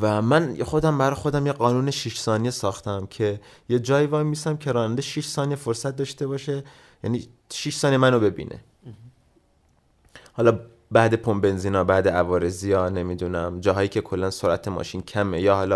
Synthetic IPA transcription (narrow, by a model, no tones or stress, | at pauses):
væmænjxo̞d̪æmbæɾɒjxod̪æmjeɢɒːnuːneʃiʃsɒːnijesɒːxt̪ʰæmcʰe̞ | je̞d͡ʒɒːjivɒːimisæmcʰe̞ɾɒːnænd̪eʃiʃsɒːnijefoɾsæt̪̚d̪ɒːʃt̪e̞bɒːʃe̞ | jæ̰ni | ʃiʃsɒːniemænobe̞bḭːnʔḛ | hɒːlɒː | bæːd̪e̞pʰombe̞nziːnɒːbæːd̪eævɒːɾe̞zijɒːne̞mid̪unæmd͡ʒɒːɦɒːjiːcʰe̞kʰo̞lːænsoɾʔæt̪ʰemɒ̰ːʃiːncʰæme̞jɒːhɒːlɒː